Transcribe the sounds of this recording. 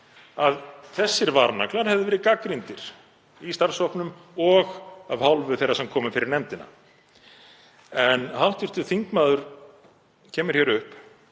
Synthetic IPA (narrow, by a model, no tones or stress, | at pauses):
aðθɛsːɪɾvaɾna̰klaɾhɛvðɪvɛːɾɪkakɾint̪ɪɾ̥ | ist̪aɾ̥sɔhpnʏmɔɣavhawlvʏθejrːasɛmkʰɔːmʏfɪɾɪɾnɛmt̪ɪna̰ | ɛnhawht̪ɪr̥t̪ʏ̥θiŋkmaːðʏɾ̥ | cʰɛːmʏɾ̥çɛɾʏhp